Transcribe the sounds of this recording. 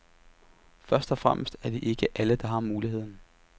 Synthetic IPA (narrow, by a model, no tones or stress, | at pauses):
fɶɐsd̥ɒ̽fʁam̰ʔəsd̥æɐd̥e̝ʔe̝ɡ̥əʔæləd̥ɑ̈ɦɑ̈muːlihe̝ð̞̰ˠn̩